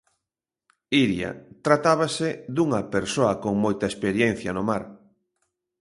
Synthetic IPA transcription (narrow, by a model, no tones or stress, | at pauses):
iɾjɐ̰t̪ɾat̪aβɐsed̪uŋɐpeɾsoɐkoŋmojt̪ɐespeɾjen̟θjɐnʊmaɾ